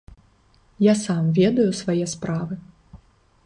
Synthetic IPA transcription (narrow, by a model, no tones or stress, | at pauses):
jasamvʲɛd̪ɐjusvajɛspɾavɨ